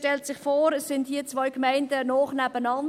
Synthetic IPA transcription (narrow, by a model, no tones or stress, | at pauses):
tɛltsɪχfoːɾəssɪndhiːɐt͡sʋɔʏkmæɪndənɔːχnɛbənɑn